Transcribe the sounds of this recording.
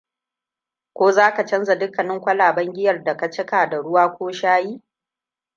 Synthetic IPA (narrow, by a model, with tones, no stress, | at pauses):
kʷoː˦zaː˦ka˨t͡ʃɐ˦nza˨dʊ˦kːɐ˨nɪ˦ŋkʷɐ˦laː˨bɐ˦ŋɡʲɪ˦jɐ˨rda˨ka˨t͡ʃɪ˦kaː˨da˨ɽʊ˦waː˦kʷoː˦ʃaː˦jiː˦